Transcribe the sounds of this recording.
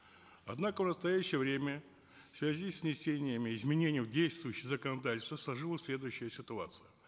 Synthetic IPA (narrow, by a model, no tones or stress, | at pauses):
ɐd̪nakəvnəst̪ɐjæɕːɪjəvɾʲemʲə | fsvʲæzʲisʲːnʲɪsʲenʲɪjəmʲɪɪzmʲɪnʲenʲɪjdʲejst̪vʊjʊɕːɪxzəkənɐd̪atʲɪlʲst̪vəslˠɐʐɨlˠəsʲlʲe̞d̪ʊjʉɕːɪjəsʲɪt̪ʊat̪sɨjə